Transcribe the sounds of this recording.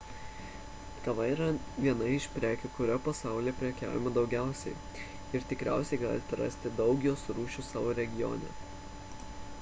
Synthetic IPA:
kɐʋɐiɾɐʋʲiɛnɐɪʃpʲɾʲæːkʲʊkʊɾʲoːpɐsɑˑʊlʲeːpʲɾʲɛkʲæ̰ːʋʲɪmɐd̪ɒʊɡʲæˑʊsʲɛɪ | ɪɾt̪ʲɪkɾʲæ̰ˑʊsʲɛɪɡɑ̰ːlʲɪt̪ʲɛɾɑ̰sʲt̪ʲɪd̪ɒʊɡʲjoːsʊɾuːʃʲusɑːʋoːɾʲɛɡʲɪjo̰ːnʲɛ̰

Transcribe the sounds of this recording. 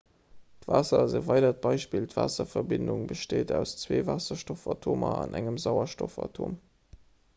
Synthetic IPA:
tvaːsɐzəvɑɪdɐt̚b̥ɑɪʃpiːltv̥a̰ːsɐfɐbɪnduŋbəʃteːdæʊst͡sweːvaːsɐʃtofɑtʰoːmɐɑnʔæŋəmzɑʊɐʃtofɑ̰tʰoːm

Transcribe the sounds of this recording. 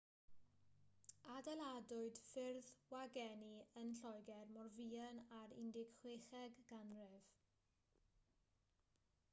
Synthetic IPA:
adɛlˠadʊɨd̥fɪrðwaɡɛniənɬɔjɡɛrmɔrviːənaɾɪ̰ndɪɡχweːχɛɡːanrɪv̥

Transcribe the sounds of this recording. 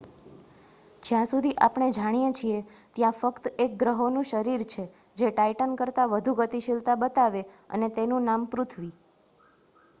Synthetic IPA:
d͡ʒjãsud̪ʱiʔapɳ̃ed͡ʒaɽ̃ijet͡ʃʰie | t̪jãfəkt̪ek̚ɡɾəɦonũʃəɾiɾt͡ʃʰe | d͡ʒeʈaiʈənkəɾt̪aʋəd̪ʱuɡət̪iʃɪlt̪abət̪aʋe | ə̰net̪enũnampɾut̪ʰʋi

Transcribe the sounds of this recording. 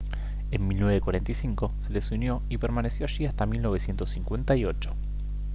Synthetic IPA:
enmilnweβekwaɾe̞nt̪aisiŋko̞se̞lesunjo̞ipeɾmane̞sjo̞aʃiast̪amilno̞β̞esje̞nt̪o̞sːiŋkwe̞nt̪aio̞t͡ʃo̥

